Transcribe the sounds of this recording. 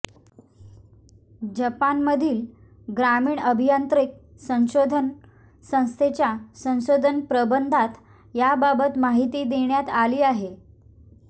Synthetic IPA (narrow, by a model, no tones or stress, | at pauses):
d͡ʑəpanməd̪ʱiːl | ɡɾamiːɳəbʱijənt̪ɾik̚ | sə̃w̃ɕod̪ʱən | sə̃w̃st̪ʰet͡ɕjasə̃w̃ɕod̪ʱənpɾəbənd̪ʱat̪ | jababət̪maɦit̪iːd̪eɳjat̪aliːaɦe